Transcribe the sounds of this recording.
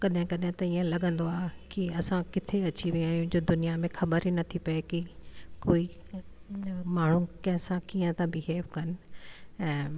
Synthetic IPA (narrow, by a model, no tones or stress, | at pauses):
kɐɗɦɪ̃kɐɗɦɪ̃t̪ɐiːə̃lɐɠə̃nd̪oaːkiɐsãkɪt̪ʰeɐt͡ɕiʋiaːjũd͡ʑoːd̪ʊnijamẽxɐbəɾinɐt̪ʰipɐekikoːi | maːɳ̤ũkɐ̃ɦɪ̃sãkiːə̃t̪ãbiɦeːfkɐnɪ̆ɛ̃ː